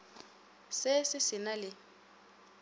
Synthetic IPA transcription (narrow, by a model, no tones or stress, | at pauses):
sɪsɪsɪnalɪ